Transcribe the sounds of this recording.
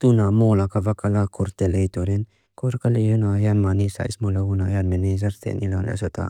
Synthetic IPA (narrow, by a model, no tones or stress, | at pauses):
t̪unamolakavakalakʰoɾt̪elejt̪oɾen | koɾkalijonajanmanisa̰jḭsmolaunajanmenezaɾtḛnilanḛsot̪a̰